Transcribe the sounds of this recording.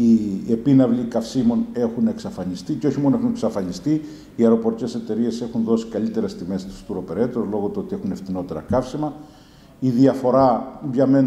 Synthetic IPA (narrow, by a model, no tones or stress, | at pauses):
iepinɐvlikɐfsimo̞ne̞xune̞ksɐfɐnist̪iceo̞çimo̞noe̞xune̞ksɐfɐnist̪i | iɐɾo̞po̞ɾice̞se̞t̪e̞ɾie̞se̞xunðo̞si̥kɐlit̪e̞ɾest̪ime̞st̪u̥st̪uɾo̞pe̞ɾe̞t̪ɾozlo̞ɣot̪oo̞t̪ie̞xune̞ft̪ino̞t̪e̞ɾɐ̰kɐfsimɐ | iðiɐfo̞ɾɐʝɐme̞n